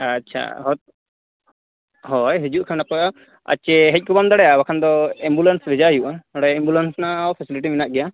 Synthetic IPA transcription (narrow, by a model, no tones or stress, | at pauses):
aʃʰa̰ɦɔt̪̚ | ɦɔjɦɛd͡ʒuʔkʰamnapɔa | a̰t͡ʃɛɦɛc̚kɔbamd̪aɽɛjawakʰand̪ɔɛmbulansbɛd͡ʒaɦijuʔaɔɽajɛmbulansnaːwpʰɛsiliʈiminaʔɡɛja